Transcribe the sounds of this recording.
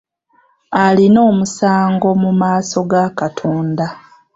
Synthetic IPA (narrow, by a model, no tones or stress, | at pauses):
alino̞ːmusaːŋɡo̞mumaːso̞ɡakatʰoːnda